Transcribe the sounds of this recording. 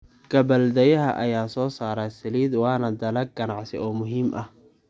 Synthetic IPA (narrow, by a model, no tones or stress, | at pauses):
ɡ̥ɐbɐld̪ɛjɐɦɐ̰ʔɐjaːsɔːsaːɾaːsɐliːd̪wɑːnɐd̪ɐlɐɡɐnɑʕsɪ̰ɔːmʊɦiːmʔɐh